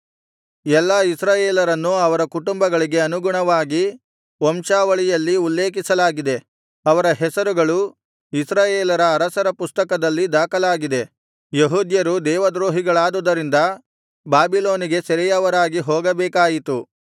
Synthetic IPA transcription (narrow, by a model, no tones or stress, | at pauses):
ɛlːaːisɾaːjeːlɐɾɐnːuɐʋɐɾɐkuʈumbɐɡɐɭiɡe̞ɐnuɡuɳɐʋaːɡi | ɔmʃaːʋɐɭijɐlːiulːeːk̬isɐlaːɡid̪e̞ | ɐʋɐɾɐɦɛsɐɾuɡɐɭu | isɾaːjeːlɐɾɐːɾɐsɐɾɐpust̪ɐkɐd̪ɐlːid̪aːkɐlaːɡid̪e̞ | jeɦuːd̪jɐɾud̪ɛːʋɐd̪ɾoːɦiɡɐɭaːd̪ud̪ɐɾind̪ɐ | baːbiloːniɡe̞sɛɾɛjɐʋɐɾaːɡiɦoːɡɐbɛːkaːjit̪u